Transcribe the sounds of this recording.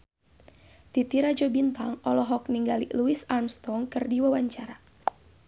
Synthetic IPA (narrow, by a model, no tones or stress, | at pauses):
t̪it̪iɾad͡ʒɔbint̪aŋɔlɔɦɔk̚niŋɡalḭluisarmst̪ɔŋkɨrdiwawaɲt͡ʃaɾa